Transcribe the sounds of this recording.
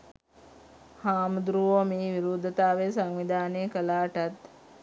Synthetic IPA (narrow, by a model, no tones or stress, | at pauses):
haːmd̪ɾuʋomiːʋiɾud̪ʱːət̪aːʋesaŋʋid̪ʱaːneːkəlaːʈat̪